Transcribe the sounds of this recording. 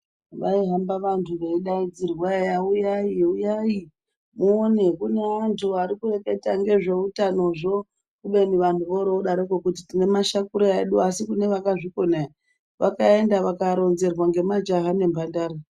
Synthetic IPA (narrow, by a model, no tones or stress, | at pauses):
ʋaiɦambaʋantʰuʋeiɗaid͡zirwajaujaiujai | muonekune̞antʰuaɾikure̞ke̞taŋɡe̞ʐe̞utano̞ʐo̞ | kuɓe̞niʋantʰuʋoɾouɗaɾekokutitine̞maʃakuɾoaeɗuasikune̞ʋakaʐiko̞naja | ʋakae̞ndaʋakaɾo̞nze̞rwaŋɡe̞mad͡ʒaɦane̞mbʱandaːɾa